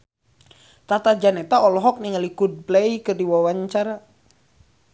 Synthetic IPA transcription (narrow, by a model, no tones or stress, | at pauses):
t̪at̪ad͡ʒanɛt̪aɔlɔɦɔk̚niŋalikud̚blɛjkɨrdiwawaɲt͡ʃaɾa